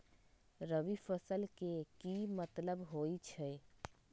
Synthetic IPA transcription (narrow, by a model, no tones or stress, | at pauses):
ɾəʋifʰəsəlkekimət̪ləbɦoːit͡ʃʰɛ